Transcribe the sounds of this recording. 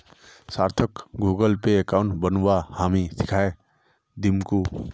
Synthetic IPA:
saːɾt̪ʰəkɡuːɡəlpekaʊɳbənwahaːmisɪ̥kʰaːe | d̪imku

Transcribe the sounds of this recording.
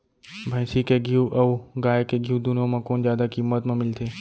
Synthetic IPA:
bʱə̃jsikeɡʱiuʔɐʋɡaːjkeɡʱijũd̪ʊnõmãkoːnzjaːd̪akimːət̪mẽmɪlt̪ʰeː

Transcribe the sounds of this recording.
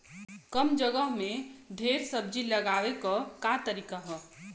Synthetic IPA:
kəmd͡ʒəɡəɦmẽd̪ʱeːɾsəb̚d͡ʒiləɡaːwekɔkat̪əɾiːkaɦɛ

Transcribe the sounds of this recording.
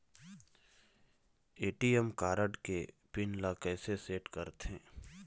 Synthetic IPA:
eːʈiɛmkaːɾəɖke | pɪnlakɛːseseːʈkəɾt̪ɦẽː

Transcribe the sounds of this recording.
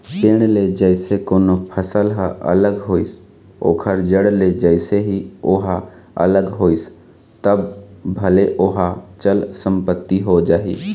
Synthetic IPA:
peːɽ̃led͡ʒəɪsekoːnopʰəsəlɦʔə̰ləɡɦoːɪs | o̰ːkʰəɾd͡ʒəɽled͡ʒəɪseɦioɦa | ə̰ləɡɦoːis | t̪əbbʱəleʔoɦat͡ʃəlsə̃mpət̪ːiɦod͡ʒaːɦḭ

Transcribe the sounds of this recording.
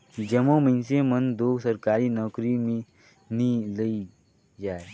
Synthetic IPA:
d͡ʒəmõməɪnsemənd̪oːɡsəɾkaːɾinɔːkɾimẽ | niləi | d͡ʒaːe

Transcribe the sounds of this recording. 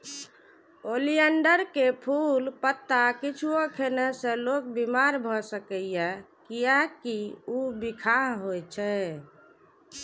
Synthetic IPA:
olijəɳɖəɾkepʰulpət̪ːakit͡ʃʰuokʰenəsə̃lok̚bimaɾbʱɔsəkəjjɛkijakiubikʰaɦɦojt͡ʃʰɛ

